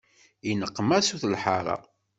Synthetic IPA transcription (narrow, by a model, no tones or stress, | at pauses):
inəqːmæsuθlħaɾˤɑ̰